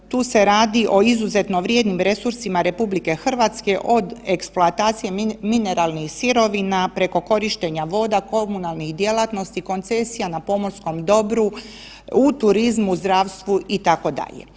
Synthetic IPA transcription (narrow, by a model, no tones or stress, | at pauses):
t̪uːse̞ɾaːd̪iʔo̞izuze̞t̪no̞ʋɾje̞d̪nimɾe̞suɾsimaɾe̞publike̞xr̩ʋat̪ske̞ʔo̞d̪eksploat̪aːt̪sije̞mine̞ɾalˠnixsiɾo̞ʋinapɾe̞ko̞ko̞ɾiʃt̪e̞ɲaʋo̞ːd̪ako̞munalˠnixd̪jelˠat̪no̞st̪iko̞nt̪se̞sijanapo̞mosko̞md̪o̞bɾu | ut̪uɾizmuzd̪ɾaːʋst̪ʋuit̪ako̞d̪a̰ʎḛ